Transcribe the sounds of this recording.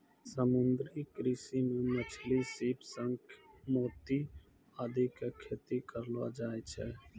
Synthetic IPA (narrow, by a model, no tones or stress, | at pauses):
səmʊnd̪ɾikɾisimẽmət͡ʃʰlisiːpsəŋkmoːt̪i | ad̪ʱikakʰeːt̪ikəɾlʋa̰d͡ʒaːet͡ʃʰɛː